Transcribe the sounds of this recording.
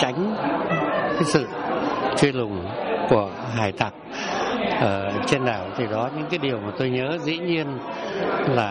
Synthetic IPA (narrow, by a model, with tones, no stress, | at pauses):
t͡ɕa˨˦jŋ̟ | kaː˨˦jsɨ̰˧˨t͡ɕwi˧lʊ˨˩ŋ͡mku˧˩ə | ɦaː˧˩jt̪a˨˩k̚ʔəː˧˩t͡ɕe˧nɗaː˧˩wt̪ʰi˨˩ɗɔ˨˦ɲɨ̰˧˥ŋkaː˨˦jɗi˨˩əwmaː˨˩t̪o˧jɲəː˨˦zḭ˧˥ɲi˧ən | laː˨˩